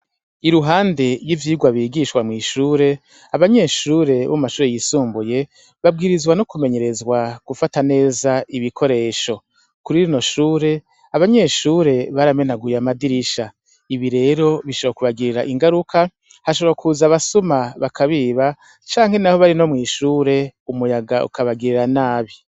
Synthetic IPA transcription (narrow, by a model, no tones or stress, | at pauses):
iɾuɦaːnde̞jivjiːɡwaβiɡiʃwamŋiːʃuːɾe̞ | aβaɲe̞ʃuːɾe̞βo̰mumaʃuːɾejisuːmbuje̞ | βab̚ɡiːɾizwanukume̞ɲe̞ɾe̞zwaɡ̥ufatane̞ːzaiβikʰo̞ɾe̞ːʃo̞ | kuɾiɾino̞ʃuːɾe̞ | aβaɲe̞ːʃuːɾe̞βaɾame̞naɡujamadiɾiʃa | iβiɾe̞ːɾo̞βiʃoakuβaɡiɾiɾaʔiŋɡaɾukʰa | haʃoβoakʰuzaβasumaβakʰaβiːβa | t͡ʃaːŋ̥he̞nahoβaɾino̞mŋiːʃuːɾe̞umujaɡaṵkʰaβaɡiɾiɾanaːβi